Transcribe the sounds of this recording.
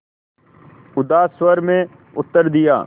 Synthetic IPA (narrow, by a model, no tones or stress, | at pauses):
ʊd̪aːsʋəɾmẽː | ʊt̪ːəɾd̪ɪja̰ː